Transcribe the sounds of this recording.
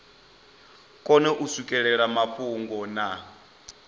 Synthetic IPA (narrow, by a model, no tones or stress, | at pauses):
kʼɔnɛʔusukʼɛɺɛɺamapʰuŋɡɔna